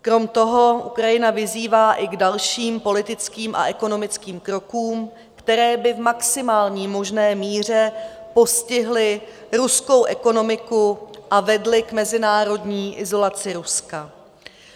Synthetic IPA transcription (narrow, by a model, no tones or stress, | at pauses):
kɾo̞mt̪o̞ɦo̞ʔukɾajɪnavɪziːvaːʔɪɡdalʃiːmpo̞lɪt̪ɪt͡skiːmʔa̰ʔɛko̞no̞mɪt͡skiːmkɾo̞kuːm | kt̪ɛɾɛːbɪvmaksɪmaːlɲiːmo̞ʒnɛːmiːr̝ɛpo̞scɪɦlɪ | ɾusko̞wʔɛko̞no̞mɪkuʔavɛdlɪkmɛzɪnaːɾo̞dɲiːʔɪzo̞lat͡sɪɾuska